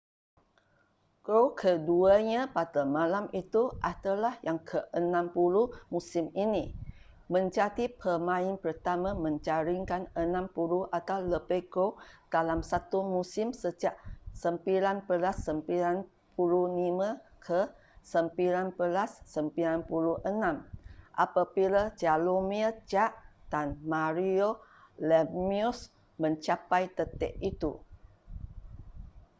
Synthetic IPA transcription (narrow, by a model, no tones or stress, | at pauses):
kokʰəduaɲãpadamãlamit̪uʔat̪alahjaŋkʰəʔənãmpulumusimini | mə̃ɲd͡ʒatipʰəmãɪnpərt̪amãmə̃ɲt͡ʃaɾiŋkanənãmpuluʔat̪awləbekod̥alamsat̪umusɪmsəd͡ʒaʔsəmpilanpəlasːəmpilan | pulunimə̃kʰə | səmpiɾanpəlasːəmpiɾanpuluʔənãmʔa̰pabilad͡ʒalomiəd͡ʒaʔd̥anmaɾiolɛmius | mə̃ɲt͡ʃapajt̪ət̪ɛ̰ʔit̪u